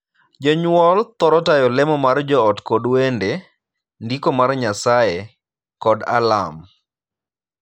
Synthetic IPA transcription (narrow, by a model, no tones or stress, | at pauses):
d͡ʒɔɲwɔlt̪ɔɾɔtajɔlɛmɔmard͡ʒɔːtkɔdwende | ndikomarɲasae | kɔda̰la̰m